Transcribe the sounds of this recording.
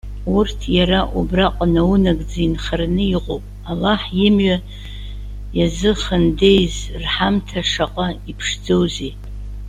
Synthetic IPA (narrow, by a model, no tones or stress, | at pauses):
urtʰjaɾaʔubraqʼanawunaɡd͡zinχarnɨiʁʼowpʼ | alaħjɪmɥa | jazɨχənde̞jzrħamtʰaʂaqʼaipʰʂd͡zowze